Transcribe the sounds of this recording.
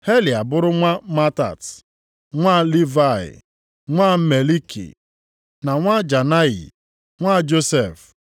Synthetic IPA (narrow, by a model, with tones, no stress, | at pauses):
he˦li˨a˨bʊ˦ɾʊ˦ŋʷa˦ma˦ta̰˨t | ŋʷa˦li˦va˦˨ɪ̰˨ | ŋʷa˦me˨li˦kḭ˨ | na˨ŋʷa˦d͡ʒa˨na˦ḭ˨ | ŋʷa˦˨d͡ʒo˦se˨f